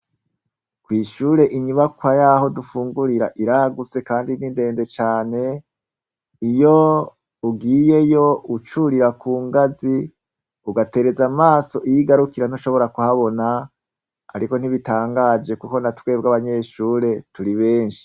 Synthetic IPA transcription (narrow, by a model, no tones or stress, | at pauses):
kwiːʃuːɾe̞ʔiɲuβakwajaɦo̞dufuːŋɡuɾiɾa̰ʔiɾaɡut͡se̞kaːndininde̞ːnde̞t͡ʃaːne̞ | ijo̞ | uɡiːje̞jo̞ut͡ʃuɾiɾakuːŋɡazi | uɡate̞ɾe̞zamaːso̞ʔijiɡaɾukiɾan̥oʃo̞βo̞ɾakuhaβo̞na̰ː | ɾiko̞n̥iβitaːŋɡad͡ʒe̞kuko̞natwe̞ːb̚ɡaβaɲe̞ʃuːɾe̞tuɾiβe̞ːnʃi̥